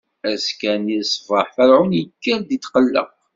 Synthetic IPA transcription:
æskænisˤfəħfæɾʕunjəkːəɾd̪it̪qəlːə̰q

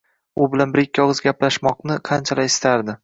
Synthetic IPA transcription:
ʊbɪlanbɪɾɪkʲːɒʁɨzɡʲaplaʃmɒqnɪqʰɑnt͡ʃʰalaɪst̪ʰaɾd̪ɪ

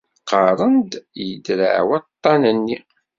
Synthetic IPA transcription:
qɑɾˤənd̪jəd̪ɾa̰ʕwɑt̪ˤːɑnənːi

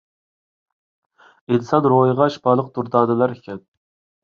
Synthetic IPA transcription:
et̪sɑnɾojʁɑʃbɑɾlˠəq̚d̪uɾd̪ɑːd̪ɨlˠɑɾekʲʰɛt̪̚

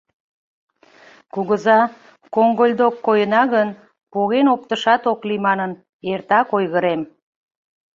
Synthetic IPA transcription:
kuɣəzɑ | koŋɡolʲd̪okːojənɑɣən | poɣenop̚t̪əʃɑt̪oklimɑnən | ert̪ɑkojɣəɾem

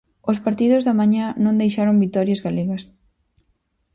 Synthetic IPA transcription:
ospaɾt̪iðʊzðɐmaɲanõnd̪ejʃaɾombit̪ɔɾjazɣaleɣɐs

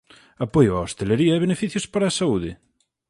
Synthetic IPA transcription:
apojʊaost̪eleɾiɐeβenefiθjʊspaɾɐːsauðɪ

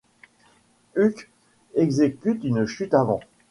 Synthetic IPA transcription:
yk | ɛɡzekʲyt̪ynʃyt̪avɑ̰̃

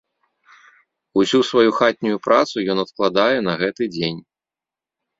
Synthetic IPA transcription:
usʲusvajuxat̪̚ʲnʲujupɾat̪sujɔnɐt̪klˠad̪ajɛnɐɣɛt̪ɨd͡zʲenʲ

